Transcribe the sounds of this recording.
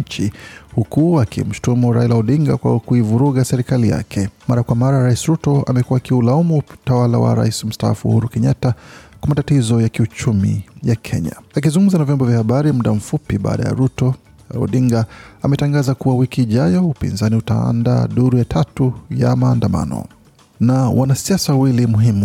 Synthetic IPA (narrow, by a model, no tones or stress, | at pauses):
t͡ʃihukuakḭm̩ʃi̥tumuɾa̰ilaɔɗiŋɡakwa̰kuivuɾuɣasɛɾikalija̰kʰɛmaɾakwamaɾaɾaisiɾutɔa̰mɛkuwaːkiulaumutawala̰wa̰ɾa̰isim̩staa̰fṵhuɾukɛɲatakwamatatizɔjakiut͡ʃumḭjakʰɛɲa̰ak̬izuŋɡumzanavjɔmbɔvjahaɓaɾimuɗam̩fupiɓa̰ːɗa̰ja̰ɾutɔ | ɔ̰ɗiŋɡaamɛtaŋɡazakuwawikiːʄajɔupḭnzaniutaa̰nda̰ɗuɾujatʰatuja̰maːndama̰nɔ̰ | nawʔanasiasawilimuɦimu